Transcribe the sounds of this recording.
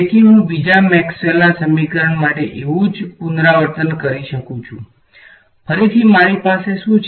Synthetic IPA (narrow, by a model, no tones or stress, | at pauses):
t̪ʰiɦũbid͡ʒamɛkselːasəmikəɾəɳmaʈeʔeʋũd͡ʒpund̪ɾaʋəɾt̪ənkəɾiʃəkũt͡ʃʰṵ̃ | fʰəɾit̪ʰimaɾ̃ipaseʃũt͡ʃʰ